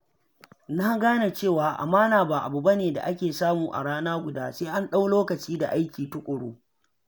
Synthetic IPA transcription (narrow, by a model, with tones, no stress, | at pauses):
na˦ɡaː˦na˨t͡ʃeː˦˨waː˨ʔa̰˨maː˦naː˨ba˦˨ʔa̰˨bu˨ba˦neː˨da̰˨ʔa˦kʲeː˨saː˦muː˨ʔa̰˨ɽaː˦naː˦ɡʷʊ˨daː˦seː˦ʔa˦nɗa˦wloː˦kɐ˨t͡ʃiː˦da˨ʔa˦jkʲiː˨tʊ˦kʷʼʊ˨ɽoː˦